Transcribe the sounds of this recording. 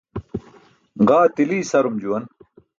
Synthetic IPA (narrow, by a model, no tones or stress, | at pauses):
ɢaːt̪iliːsɐɾumd͡ʑuwɐn